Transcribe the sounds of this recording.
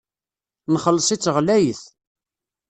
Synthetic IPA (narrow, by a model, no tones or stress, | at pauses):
nχəlːəsˤit͡sːəʁlæjəθ